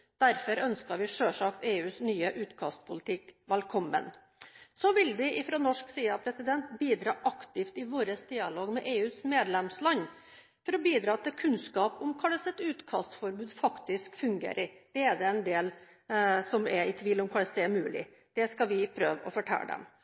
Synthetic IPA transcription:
d̪̥æɾfɔɾœnskəɾʋɪʂøːʂɑkt̪eːʉːsnyːəʔʉːt̪kʰɑ̰st̪pʰʊlɪt̪ʰɪkʋɛlkʰɔmːə̰n | sɔʋɪlʋɪʔɪfɾɔnɔʂksiːɑpʰɾɛsɪd̪ɛnt̪biːd̪ɾɑːʔɑkt̪ɪft̪ɪʋoːɾəsd̪ɪːɑloːɡmɛʔeːʉːsmeːd̪lɛmslɑɲː | fɔɾɔbiːd̪ɾɑːt̪ʰɪlkʰʉnskɑːpɔmkʰɑləsɛt̪ʉːt̪kʰɑst̪fɔɾbʉːd̪fɑkt̪ɪskfʉŋɡḛːɾʔɪd̪̥ɛɛɖ̪ɛɛnd̪eːl | sɔmɛɪt̪ʰʋiːlʊmkʰɑləsd̪ɛæɾmʉːlɪ̰ | d̪̥ɛskɑʋɪpʰɾø̰ːʋɔ̰fɔʈʰɛ̰ld̪ɛ̰m

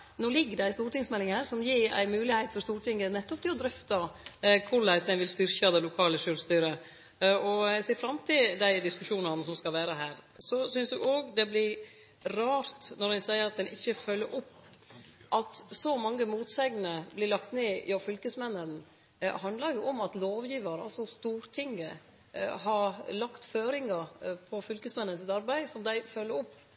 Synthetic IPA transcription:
noːlɪɡːəɖæɪst̪uːɾʈɪŋsmɛlɪŋhæːɾsɔmjiːɾæ̰ɪmʉːlɪhæɪt̪fɔɾst̪uːɾʈʰɪŋːənɛt̪ːɔp̚t̪ɪlɔd̪ɾœft̪ɑkʰʊɭæsd̪ɛnʋɪlst̪ʏɾçɑd̪ɛlʊkʰɑːləʃøːɾst̪yːɾə | ɔseːfɾɑmt̪ʰɪld̪æɪd̪ɪskʉʂuːnɑnəsɔmskɑlʋæːɾəɦæːɾsɔsʏnsd̪ʉʔoːɡd̪ɛblɪɾ | ɾɑːɾt̪nɔɾd̪ɛnsæɪəɾɑt̪̚d̪ɛnʔɪçːəfœlːəɾʔɔpːʔɑt̪sɔmɑŋːəmuːt̪sæɪɡnəblɪɭɑkt̪neːjɑfʏlkəsmɛnːən̰ | hɑnd̪ləɾjʊʔɔmɑt̪loːʋjiːʋɑɾɑsɔst̪uːɾt̪ʰɪŋːə̰ | ɦɑɾlɑkt̪føːɾɪŋɑɾpʰɔfʏlkəsmɛnːənsɪt̪ɑɾbæɪsɔmd̪æɪfœlːəɾɔpː

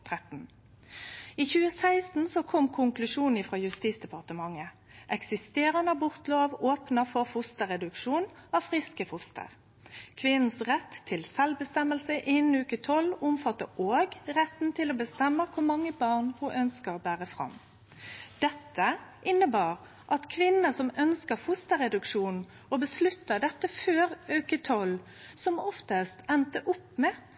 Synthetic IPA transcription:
t̪ʰʁɛt̪n̩ | iːçʉːəsæɪst̪n̩sɔkʰɔmkʰʊŋklʉʂuːnn̩iːfʁɑːjʉst̪iːsd̪ɛpɑʁt̪əmɑŋːə | ʔɛksɪst̪eːʁɑnəbʊʁt̪loːʋoːpnəfɔʁfʊst̪əʁɛd̪ʉkʃuːnɑfʁɪskəfʊst̪ʰə̰ʁ | kʰʋɪnn̩sʁɛt̪ʰːɪlsɛlbəst̪ɛməlsəʔɪnn̩ʉːkət̪ʰɔlʊmfɑt̪ːə̰ʔoːɡʁɛt̪n̩t̪ʰɪloːbəst̪ɛmːəkʰʊmɑŋːəbɑʁnhuʔœnskəʁbæːʁəfʁɑ̰m | d̪̥ɛt̪ːəʔɪnːəbɑːʁ | ʔɑt̪kʰʋɪnəsɔmœnskəfʊst̪əɾɛd̪ʉkʂuːn | ɔbəslʉt̪ːəd̪ɛt̪ːəføːʁʉʉkət̪ʰɔl | sɔmɔft̪əst̪ɛnt̪əʔʊpmɛː

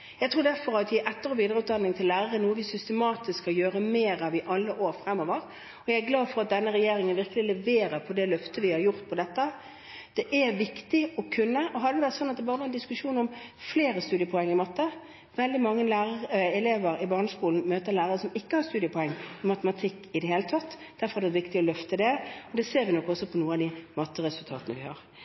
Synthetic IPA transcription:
jæɪt̪ʰɾuːdæɾfɔɾɑt̪ʋɪʔɛt̪ːəɾɔʋiːd̪əʁɾəʉːt̪d̪ɑnːɪŋt̪ʰɪllæːʁəɾənuːəʋɪsʏst̪əmɑːt̪ɪskkːɑjøːɾəmeːɾɑʋɪʔɑlːəʔoːɾfɾɛmːoːʋəɾ | ɔjæɪæɾɡlɑːd̪fɔɾɑt̪̚d̪ɛnːəɾɛjeːɾɪŋənʋɪʁkəlɪlɛʋeːɾəɾpʰɔd̪ɛlœft̪əʋɪhɑɾjʊɾt̪̚pʰɔd̪ɛt̪ːə | d̪̥ɛʔæɾʋɪkt̪ɪɔkʰʉnːəɔɦɑd̪ɛʋɪʋæɾt̪sɔnɑt̪d̪ɛbɑːɾəʋɛɾɛnd̪ɪskʉʂuːnɔmfleːɾəst̪ʉːd̪ɪəpʰɔɛŋːəɾɪmɑt̪ːə | ʋɛld̪ɪmɑŋːənlæːɾəɾɛleːʋəɾɪbɑːʁnəskuːln̩møːt̪əʁlæːɾəɾəsɔmɪkːəhɑɾst̪ʉːd̪ɪəpʰɔɛŋːɪmɑt̪əmɑt̪ʰɪkːɪd̪ɛheːlət̪ʰɑt̪ː | d̪æɾfɔɾɑd̪ɛʋɪkt̪ɪɔlœft̪əd̪ɛɔd̪ɛːseːɾʋɪnɔkːɔsːɔpʰɔnuːəɑd̪ɪmɑt̪ːəɾɛsʉlt̪ʰɑ̰ːt̪ənə̰ʋɪhɑ̰ːɾ

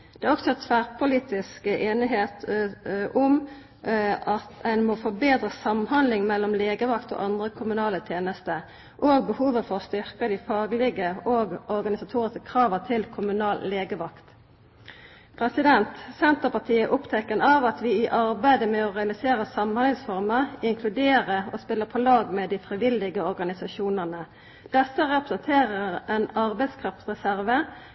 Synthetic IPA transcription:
d̪̥ɛæʁɔksɔæt̪ʰʋæʁpʰʊliːt̪ɪskəʔeːnɪɦeːt̪ʔɔm | ʔɑt̪ɛnmoːfɔbeːd̪ʁəsɑmhɑnd̪lɪŋmɛlːɔmleːɡəʋɑkt̪o̰ʔɑnd̪ʁəkʰʊmʉnɑːlət̪ʰjeːnəst̪ə | ʔoːɡ̚bəhuːʋəfɔʁst̪ʏʁkəd̪ɪfɑːɡlɪɡəoːɡɔʁɡɑnɪsɑt̪ʰuːʁɪskə̥kʰʁɑːʋət̪ʰɪlkʰʊmʉnɑːlleːɡəʋɑkt̪ | pʰʁɛsɪd̪ɛnt̪sɛnt̪əpɑt̪ʰiːəʔʊpt̪ʰɛkənɑʋɑt̪ʋɪɪʔɑʁbæɪd̪əmɛɔʁɛɑlɪseːʁəsɑmnhɛlsfɔʁməʁɪŋkʰlʉd̪eːʁəoːspɪlːəpʰɔlɑːɡmɛd̪iːfʁɪʋɪld̪ɪɡəɔʁɡɑnɪsɑʃuːnənə | d̪̥ɛsəʁɛpʁəsənt̪ʰeːʁəʁɛnɑʁbæɪd̪skʰʁɑft̪sʁɛsæʁʋə

